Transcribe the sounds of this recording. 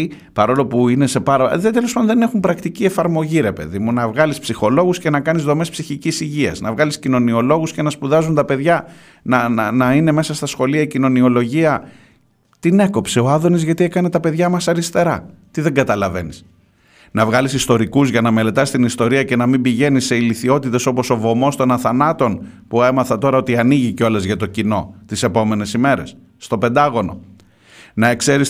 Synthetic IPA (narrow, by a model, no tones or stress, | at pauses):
pɐɾo̞lo̞puine̞se̞pɐɾɐðet̪e̞lopaɐd̪oðene̞xumpɾɐkt̪icie̞fɐɾmo̞ʝiɾe̞pe̞̰ðimunɐvɣɐlispsixo̞lo̞ɣusce̞nɐkɐnizðo̞me̞spsiçicisiʝiɐ̰znɐ̰vɣɐliscino̞nio̞lo̞ɣusce̞nɐspuðɐzunt̪ɐpe̞ðʝɐ | nɐnnɐine̞me̞sɐst̪ɐsxo̞liɐicino̞nio̞lo̞ʝiɐ | t̪ine̞ko̞pse̞o̞ɐðo̞nizʝɐt̪iekɐne̞t̪ɐpe̞ðʝɐmɐsɐɾist̪e̞ɾɐt̪iðe̞ŋɡɐt̪ɐlɐve̞nis | nɐvɣɐlisist̪o̞ɾikuzʝɐnɐme̞le̞t̪ɐst̪inist̪o̞ɾiɐce̞nɐmimbiʝe̞nise̞iliθio̞t̪it̪e̞so̞po̞so̞vo̞mo̞st̪o̞nɐθɐnɐt̪o̞n | pue̞mɐθɐt̪o̞ɾɐo̞t̪iɐniʝiceo̞lɐzʝɐt̪o̞cino̞t̪ise̞po̞me̞ne̞sime̞ɾe̞̰sː | t̪o̞pe̞nd̪ɐɣo̞no̞ | nɐe̞kse̞ɾis